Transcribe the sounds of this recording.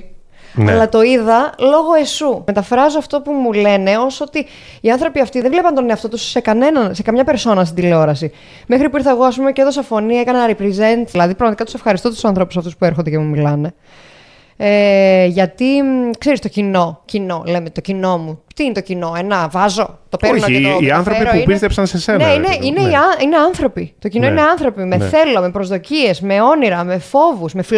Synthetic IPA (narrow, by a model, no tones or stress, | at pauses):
nɐlɐt̪o̞iðɐlo̞ɣo̞esume̞t̪ɐfɾɐzoɐft̪o̞pumule̞ne̞o̞so̞t̪i | iɐnθɾo̞piɐft̪iðevle̞pɐnt̪o̞neɐft̪o̞t̪usːe̞kɐne̞nɐnse̞kɐmɲɐpe̞ɾso̞nɐs̬t̪id̪ileo̞ɾɐsi | me̞xɾipuiɾθɐeɣo̞ɐspumeceðo̞sɐfo̞niɐekɐnɐɾipɾize̞nt̪ðilɐðipɾɐɣmɐt̪ikɐt̪u̥se̞fxɐɾist̪o̞t̪u̥sɐnθɾo̞pu̥sɐft̪uspueɾxond̪ecemumilɐne̞ | eʝɐt̪ikse̞ɾist̪ocino̞cino̞le̞met̪o̞cino̞mut̪iinet̪ocino̞enɐvɐzo̞t̪o̞peonoiɐnθɾoiɾouipist̪epsɐnseseneineineiɐine̞ɐnθɾo̞pit̪o̞cino̞iineɐnθɾo̞pime̞̰θe̞lome̞pɾozðo̞cie̞zme̞o̞niɾɐme̞fo̞vusme̞fi